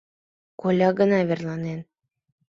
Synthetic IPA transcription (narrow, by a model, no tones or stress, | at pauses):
kolʲɑɡɤ̆nɑβʲerlˠɑnen